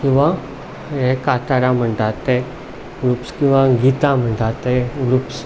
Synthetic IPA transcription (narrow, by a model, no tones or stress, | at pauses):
kĩw̃ʋa | ɦekat̪aɾãm̤əɳʈ̪at̪e | ɡɾuːpskĩw̃ʋãɡit̪ãm̤əɳʈ̪at̪eɡɾuːps